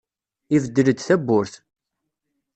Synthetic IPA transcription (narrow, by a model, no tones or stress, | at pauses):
ivəd̪ːələd̪θæbːʊɾθ